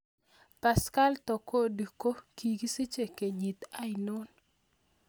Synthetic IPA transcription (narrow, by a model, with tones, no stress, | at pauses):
pa˨ska˦lt̪ɔ˨ko˦˨du˨ko˦ki˨ɡi˦si˦t͡ʃe˨ke˨ɲi˨t̪a˦jnʊ˦n